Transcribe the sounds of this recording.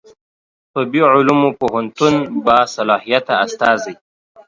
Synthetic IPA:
pəbiʕʊlumupoɦant̪unbasalɑhijat̪aːst̪ɑːzaj

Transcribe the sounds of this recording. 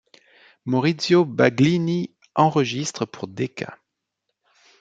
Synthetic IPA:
mɔʁit̪sjobaɡlini | ɑ̃ʁəʒist̪χəpʰuʁd̪ekʰa̰

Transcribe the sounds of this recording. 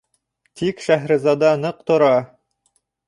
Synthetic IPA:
t̪ikʃæɦɾɘ̆zɑd̪ɑnɤq̚t̪ŏɾɑ

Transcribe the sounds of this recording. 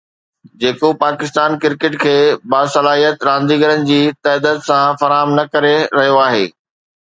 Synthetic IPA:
d͡ʑeːkopaːkɪst̪aːnkɪɾkɪʈkʰeːbaːsɐlaːɦijət̪ɾãːnd̪iɡəɾənɪ̆d͡ʑiːt̪ɛːd̪ət̪sãfɐɾaːɦəmnɐkɐɾeɾɐɦijoaːɦeː

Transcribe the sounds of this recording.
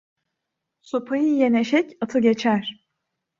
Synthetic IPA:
sopʰajɯjeneʃɛcat̪ʰɯɟe̞t͡ʃʰæɾ̥

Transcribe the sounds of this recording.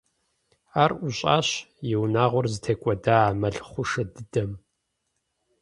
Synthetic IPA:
aːrʊɕʼa̰ːɕjɪwnaːʁʷɔrzɨtʰeːkʷʼɔdaːmɐɮχʷʊʂɐdɨdɐm

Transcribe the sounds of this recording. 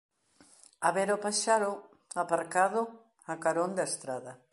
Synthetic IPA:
aβɛɾopaʃaɾʊ | apaɾkaðʊ | akaɾond̪aest̪ɾaðɐ

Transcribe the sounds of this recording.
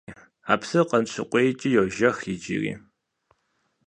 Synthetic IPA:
a̰ːpsɨqɐnɕʰɪqʷʼejt͡ʃʼijowʒɐxit͡ʃʼḭrḭː

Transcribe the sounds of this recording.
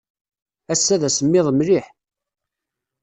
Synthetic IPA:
æsːæðæsəmːɪðˤmɾiħ

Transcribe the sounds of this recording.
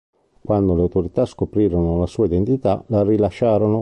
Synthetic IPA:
kwand̪oleawt̪oɾit̪askopɾiːɾonolasuːaid̪ent̪it̪alarilaʃːaːɾono

